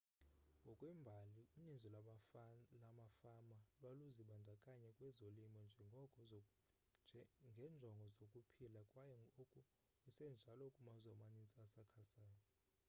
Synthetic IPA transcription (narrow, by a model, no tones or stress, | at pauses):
ŋɡʱɔkʼwimbʱaliuninzɔl | lamafamalwaluziɓandʱakʼaɲɛkʼwɛzolimɔnd͡ʒʱɛŋɡʱɔkʼɔ | ŋɡʱɛnd͡ʒʱɔŋɡʱɔzokʼupʰilakʼwajɛokʼu | kʼusɛnd͡ʒʱalɔkʼumazamanit͡sʼiasakʰasaːjɔ